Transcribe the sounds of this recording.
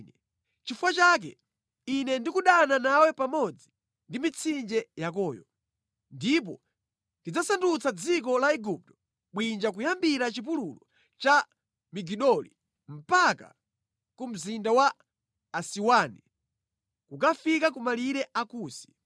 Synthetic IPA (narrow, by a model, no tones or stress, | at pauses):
ɛ | t͡ʃifuwat͡ʃak̬ɛ̰ | inɛndikuɗananawɛpamɔd͡zi | ndimit͡sʰind͡ʒɛjak̬ɔːjɔ̰ | ndip̬ɔ̰ | tid͡zasandut͡sad͡zik̬ɔlaɛɡup̚tɔ̥ | ɓwind͡ʒak̬ujambiɾat͡ʃip̬ululɔ | t͡ʃa | miɡiɗɔlḭ | m̩paka̰ | kum̩zindawaː | siwaːni | kukafikakumaliɾɛakuːsi̥